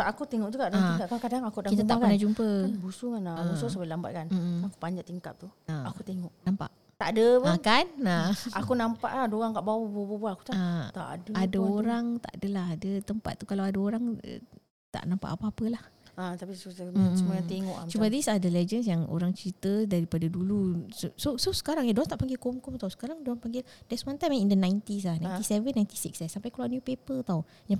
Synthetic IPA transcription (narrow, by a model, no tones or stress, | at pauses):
ʔakut̪eŋɔʔt̪ukaʔdaikakakadaŋakudakit̪at̪aʔkpənahd͡ʒumpəbusuŋanabususabalamba̰t̪̚kan̩maku̥paɲd͡ʒaʔt̪iŋkap̚t̪uaakut̪eŋɔʔnampa̰ʔ | t̪a̰ʔdəpəakanaakunampa̰ʔlaadaoɾaŋkaʔbawabubbubuaaku̥t̪aat̪a̰ʔdəadaoɾaŋt̪a̰ʔdəlaɦadət̪əmpat̪̚ːukalawadaoɾaŋə̰ | t̪a̰ʔnãmpa̰ʔapaapəlahat̪apisusəmajãtt̪eŋɔʔat͡ʃumadisadəlɛd͡ʒənsjaŋo̰ɾaŋt͡ʃəɾit̪ədaɾipadadulusosososə̥kaɾaŋjadoant̪aʔpaŋɡilkoŋkɔŋt̪awsə̥kaɾaŋdoaŋpaŋɡɪldasəmant̪ajmaŋindənãjnt̪is̬lahnãj̃t̪isɛvənːajnt̪i̥siksɛsːampajkluanjupepət̪aw | ja